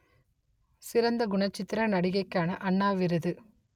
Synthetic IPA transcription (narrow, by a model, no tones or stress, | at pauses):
sɪɾɐnd̪ɐɡʊɳɐt͡ʃːɪt̪ːɪɾɐnɐɽɪɣɐɪkːaːnɐʔɐɳːaːʋɪɾɯðɯ